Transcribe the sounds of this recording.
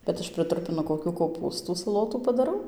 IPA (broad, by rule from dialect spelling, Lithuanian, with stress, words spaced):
bʲɛt ˈɐʃ prɨˈtrʊpʲɪnʊ koːˈkʲuː koːˈpuːstuː sɐˈlˠoːtuː pɐdɐˈrɐʊ